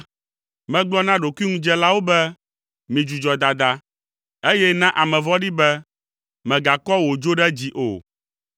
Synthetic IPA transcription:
mɛ̃˦ɡ͡blɔ˦nã˦ɖo˨ku˦i˦ŋũ˦d͡ʒɛ˦la˦wo˦bɛ˦ | mĩ˨d͡ʒu˨d͡ʒɔ˨d̪a˨d̪a˦ | e˦jɛ˦nã˦ʔa˨mɛ̃˨vɔ˦ɖi˦bɛ˦ | mɛ̃˨ɡa˨kɔ˦wo˨d͡ʒo˦ɖɛ˦d͡ʑi˨ʔo̰˨

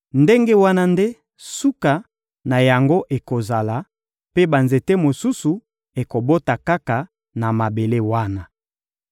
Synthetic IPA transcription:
nde˦ŋɡe˦wa˦na˦nde˦ | su˦ka˨ | na˨ja˨ŋɡo˦ʔe˨ko˨za˨la˨ | pe˦ba˨nze˨te˦mo˨su˦su˨ | e˨ko˨bo˦ta˨ka˦ka˨ | na˨ma˨be˨le˦wa˦na˦

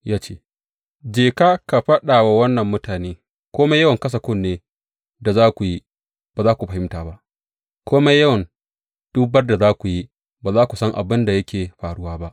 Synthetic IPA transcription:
jaː˦t͡ʃḛː˦ | d͡ʒeː˨kaː˦ka˨ɸɐ˦ɗaː˨wa˦wɐ˦nːɐ˨mːʊ˦taː˨neː˦ | kʷoː˦ma˦jɐ˦wɐ˨ŋkɐ˦s̬ɐ˨kʷʊ˦nːeː˦ | da˨zaː˦kʷu˨ji˦ | b̥aː˨zaː˦kʷu˨ɸɐ˨hɪ˦mtaː˨ba˦ʔ | kʷoː˦ma˦jɐ˦wɐ˨n | d̥u˦bɐ˦rda˨zaː˦kʷu˨ji˦ | baː˨zaː˦kʷu˨sɐ˦ŋʔa̰˨bɪ˦nda˨jɐ˦kʲʰeː˨ɸaː˨ɽʊ˦waː˦ba˦ʔ

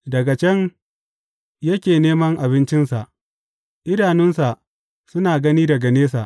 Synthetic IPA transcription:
dɐ˨ɡa˨t͡ʃɐ˦ŋ | jɐ˦kʲeː˨neː˦mɐ˦ŋʔa˨βɪ˦nt͡ʃɪ˦nsa˨ʔ | ʔɪ˦ɾaː˨nɪ˦nsa˨ʔ | sʊ˦naː˨ɡɐ˦niː˦dɐ˨ɡɐ˨neː˦sa˨ʔ

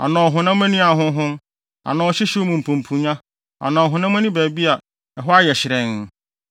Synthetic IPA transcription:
a̰˨nãː˨ɔ˨ɦʊ̃˨nã˦m˦ɛ̃˦nĩ˦a˨ɦʊ̃˦ɦʊ̃˦m | a̰˨nã˨ɔ˨ɕɪ˦ɕi˦mũ˨m̩˨pʰũ˨m˨pʰũ˨ɲã˦ | a̰˨nãː˨ɦʊ̃˨nã˦mɛ̃˦nĩ˦bæː˨bi˦a˨ | ɛ˨ɦɔ˦a˦jɛ˨ɕɪ˨ɾɛ̃˨n˨

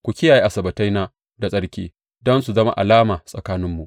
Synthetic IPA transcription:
kʷu˨kʲɪ˦jaː˨ji˦ʔa˨sɐ˨bɐ˨ta˦jnaː˦ | da˨sʼɐ˦ɽkʲiː˦ | dɔ˦nsu˨zɐ˦ma̰˦ʔa̰˨laː˦maː˨sʼɐ˨kaː˦nɪ˦mːu˨ʔ

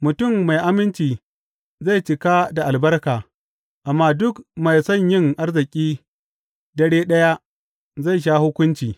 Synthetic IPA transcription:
mʊ˨tʊ˦˨mːa˨jʔa˦mɪ˦nt͡ʃiː˨ | za˦˨jt͡ʃɪ˨ka˦da˨ʔa˨lbɐ˦rkaː˨ | ʔa˨mːaː˦dʊ˦kma˨jsɔ˦˨ɲjɪ˦ŋʔa˦rzɪ˨kʲʼiː˦ | dɐ˦ɽeː˦ɗɐ˦ja˦ | za˦˨jʃ̬aː˦hʊ˦kʷʊ˦nt͡ʃiː˨

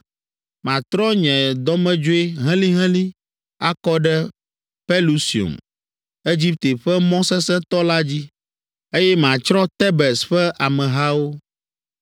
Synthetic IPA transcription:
mã˨t̪ɾɔ˦ɲɛ̃˨d̪ɔ˦mɛ̃˦d͡ʒo˦e˦ɦɛ̃˦li˦ɦɛ̃˦li˦ | a˦kɔ˦ɖɛ˦ | pɛ˦lu˦si˨o̰˨m | e˦d͡ʑi˦p̚t̪e˨ɸɛ˦mɔ̃˦sɛ˦sɛ̃˦t̪ɔ˦la˦d͡ʑi˦ | e˦jɛ˦mã˨t͡ʃɾɔ̃˦t̪ɛ˦bɛ˨sɸɛ˦ʔa˨mɛ̃˨ɦa˦wo˦

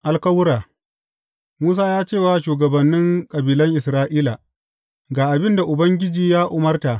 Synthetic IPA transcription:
ʔa˨lkɐ˦wʊ˦ɾaː˨ | muː˦s̬aː˦jaː˦t͡ʃeː˦˨waː˨ʃuː˨ɡɐ˨bɐ˨nːɪ˦ŋkʼɐ˨biː˨lɐ˦ŋʔɪ˨sɾaː˦ʔiː˦la˨ | ɡaː˨ʔa˨bɪ˦nda˨ʔʊ˨bɐ˦ŋɡʲɪ˦d͡ʒiː˨jaː˦ʔʊ˨mɐ˦rta˨ʔ

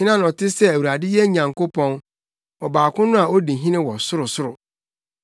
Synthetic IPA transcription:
ɪ˦nã˦nɔ˨tʰɪ˦sɛ˦æ˨wu˨ɾa˨dɪ˦jɛ˦ɲã˨ŋko˦pʰɔ̃˦n | ɔ˨baː˨kʰʊ̃˦nʊ̃˦a˨o˦di˨ɦĩ˦nɪ̃˦wɔ˨sʊ˦ɾʊ˨sʊ˦ɾʊ˨

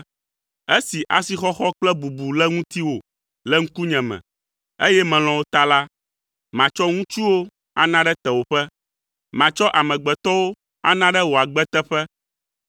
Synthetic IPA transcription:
e˦si˨ʔa˨si˨xɔ˦xɔ˦k͡plɛ˦bu˨bu˨lɛ˦ŋũ˦t̪i˦wo˨ | lɛ˦ŋ̩̃˦ku˦ɲɛ̃˨mɛ̰̃˨ | e˦jɛ˦mɛ̃˨l̃ɔ̃˨wo˦t̪a˦la˦ | mã˨t͡ʃɔ˦ŋũ˦t͡ʃu˦wo˦ | a̰˦nã˦ɖɛ˦t̪ɛ˨wo˨ɸɛ˦ | mã˨t͡ʃɔ˦ʔa˨mɛ̃˨ɡ͡bɛ˨t̪ɔ˦wo˦ | a̰˦nã˦ɖɛ˦wo˨a˨ɡ͡bɛ˦t̪ɛ˦ɸɛ˦

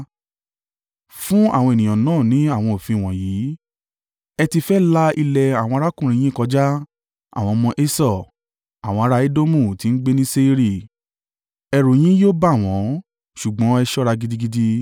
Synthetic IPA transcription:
fũ˦a˦˨w̃ɔ̃˧e˨nĩ˨j̃ã˨nãː˦˨nĩ˨˦a˦˨w̃ɔ̃˧o˨fĩ˧i˨w̃ɔ̃˨jiː˨˦ | ɛ˧ti˧fɛ˦la˦i˧lɛ˧a˨w̃ɔ̃˧ɾa˦kũ˦˨ɾĩ˨˧j̃ĩ˦kɔ˧d͡ʒa˦ | a̰˦˨w̃ɔ̃˧mɔ̃˧ʔe˦sɔ˦˨ | a˨w̃ɔ̃˧a˧ɾa˧˦e˦do˦mũ˦˨ti˨˦n̩˦ɡ͡be˦nĩ˦se˦i˧˦ɾi˦˨ | ɛ˧ɾo˨j̃ĩ˦jo˦ba˦˨w̃ɔ̃˨˦ | ʃu˨ɡ͡bɔ̃˨˦ɛ˧ʃɔ˦ɾa˧ɡi˧di˧ɡi˧di˧

